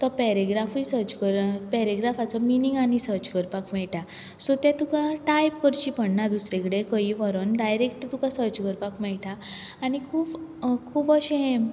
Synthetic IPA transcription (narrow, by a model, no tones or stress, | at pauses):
t̪ɔpɛɾeɡɾafisəɾt͡ɕkəɾpɛɾeɡɾafat͡sɔminiŋɡanisəɾt͡ɕkəɾpakmɛɭʈa | sot̪ãt̪ukãʈajp̚kəɾt͡ɕipəɳnad̪usɾekɽekəiʋəɾənɖajɾekʈt̪ukãsəɾt͡ɕkəɾpakmɛɭʈãː | ñikʰuːpkʰuːpəɕeɦɛ̃